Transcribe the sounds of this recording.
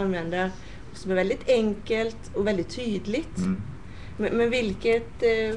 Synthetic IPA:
ɑnʋɛnd̪ə | sɔmæɾʋɛld̪ɪt̪ɛŋkəlt̪ɔʋɛld̪ɪt̪ʰyːd̪əlɪt̪ | mɛmɛʋɪlkət̪

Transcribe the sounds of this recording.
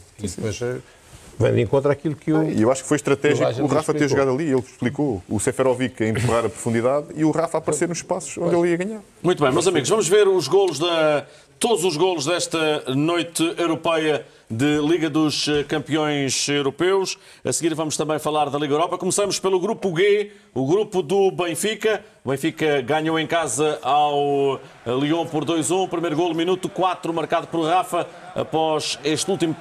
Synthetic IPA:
ðsĩpojʃ | vɐ̰̃j̃d̪ẽŋkõnt̪ɾakilˠukɨuiewaʃu̥kfojʃt̪ɾɐt̪ɛʒʒikauʁafɐt̪iɐʒuɣaðɐlˠielˠʃplˠikousɛfɛɾɔvikɐẽmpɨʁaɾɐpɾu̥fũnd̪iðaðiuʁafapɐɾseɾnuʃʃpasu̥ʃõd̪elˠiɐɣaɲaɾ | mũt̪βɐ̃j̃mɐzɐmiɣuʒvɐmuʒveɾuʒɣolˠuʒðɐ | t̪od̪uzuʒɣolˠuʒðɛʃt̪ɐnojt̪ɨewɾupɐjɐ | ðɨlˠiɣɐðuʃkɐ̃mpiõj̃ʃewɾupewʃ | ɐ̰sɣiɾvɐmʊʃt̪ɐ̃mbɐ̃j̃fɐlˠaɾðɐlˠiɣɐewɾɔpɐkumsɐmuʃpelˠuɣɾupuɣe | uɣɾupuðuβẽj̃fikɐ | uβẽj̃fikɐɣaɲoẽj̃kazɐʔaw | lˠiõpɔɾðojzũpɾimɐjɾuɣolˠminut̪ukwat̪ɾumɐɾkaðupɔɾʁafɐ | ɐ̰pɔzeʃt̪ulˠt̪imu

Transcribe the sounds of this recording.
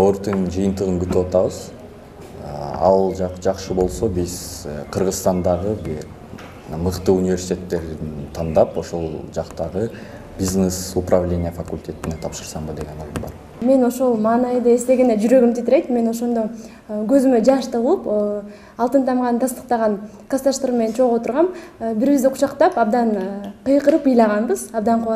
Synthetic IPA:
oɾt̪ind͡ʒɯjɯnt̪ɯʁɯnbyt̪ywɑt̪ɑβɯz̥ | ɑ̰lˠqd͡ʒɑqʃɯbo̞lˠso̞bizqʰɯɾʁɯzst̪ɑnd̪ɑʁɯb | mɯqt̪ɯunʲivʲe̞rsʲi̥t̪ʲet̪ːe̞ɾint̪ʰɑnd̪ɑpo̞ʃo̞lˠd͡ʒɑqt̪ɑʁɯ | bʲiznesuprʔavlʲe̞nʲɪjəfakulʲtʲʰe̞t̪ine̞t̪ʰɑpʃɯɾsɑɴbɯd̪e̞ɡʲe̞noɾˠd̪umbɑ̰ɾ | me̞no̞ʃo̞lˠmɑːnɑjd̪ɯe̞st̪e̞ɡʲened͡ʒyɾø̞ɡymt̪ʰit̪iɾejt̪me̞no̞ʃo̞nd̪o | ɡøzymød͡ʒɑʃt̪ɑʁulˠup | ɑlˠt̪ɯnt̪ʰɑmʁɑnt̪ʰɑst̪ə̥q̚t̪ɑʁɑn | qʰɑst̪ɑʃt̪ɯɾme̞net͡ʃʰo̞ʁo̞t̪uɾʁɑmbiɾβizd̪iqʰu̥ʃɑqt̪ɑpɑbd̪ɑnqɨjqəɾɯpɯjlˠɑʁɑnbɯz̥ɑbd̪ɑɴqʰu

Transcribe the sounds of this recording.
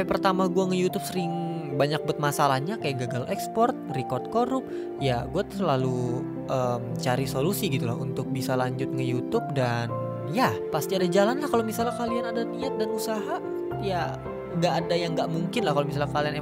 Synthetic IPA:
ipərt̪amaɡuaŋəjut̪ʊp̚səɾɪŋbaɲak̚bət̪̚masalahɲakajaɡaɡalʔɛkspɔrt̪̚rikɔrt̪̚koɾʊp̚ | jaɡuat̪səlalu | ʔəːmt͡ʃaɾisolusiɡit̪ulaɦunt̪ʊk̚bisalaɲd͡ʒʊt̪̚ŋəjut̪ʊp̚dan | japast̪iadad͡ʒalanlahkalomisalahkalianadaniat̪̚danusaɦa | ja | ŋɡaʔːdajaŋɡaʔmuŋkɪnlahkalomisalakaliane

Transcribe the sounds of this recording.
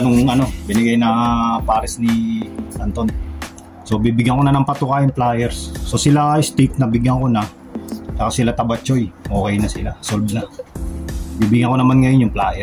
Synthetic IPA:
noŋɐno̞bɪnɪɡajnɐpaːɾɪsnɪt̪ɐnt̪on | so̞bibɪɡjaŋkonanɐŋpɐt̪ʊkajɪŋplaːjɛɾsːo̞sɪlaʔjst̪ik̚nɐbɪɡjɐŋkonɐ | t͡ʃɐkasɪlat̪ɐbɐt͡ʃojʔoːkɛjnɐsɪlasolbnɐ | biːbɪɡaŋkonɐmanŋɐjonjʊŋplaːjɛ

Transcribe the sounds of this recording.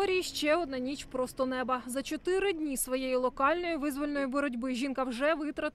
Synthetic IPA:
ɔɾʲiiʃt͡ʃɛɔd̪̚nɑnʲit͡ʃpɾɔst̪ɔnɛbɐzɐt͡ʃɔt̪ɪɾɪdʲnʲisʋɔjejilˠɔkɑlʲnɔjiʋɪzʋɔlʲenɔjibɔɾɔdʲbɪʒʲinkɐwʒɛʋɪt̪ɾɐt̪

